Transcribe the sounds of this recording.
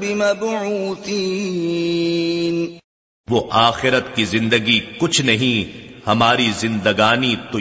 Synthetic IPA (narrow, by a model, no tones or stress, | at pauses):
bɪmɐbʕuːt̪i | n | ʋoʔaːxɪɾət̪kizɪ̃nd̪əɡikʊt͡ʃʰnɐɦĩhɐmaːɾizɪ̃nd̪əɡaːnit̪o